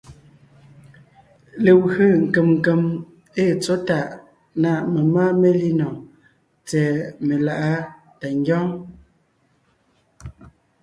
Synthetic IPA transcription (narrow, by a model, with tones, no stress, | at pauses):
le˨wə˨ŋ̩˨ke˨mŋ˨ke˨m | e˦˨t͡so˨˦ta˨ʔ | na˨me˨maː˦me˦li˦nɔ˨ | t͡sɛː˨me˨la˨ʔa˦ | ta˨ŋ˦ɡjɔ˦ŋ